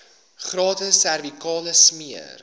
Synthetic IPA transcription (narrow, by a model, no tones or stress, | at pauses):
χrɑːtəsærvikɑːləsmiər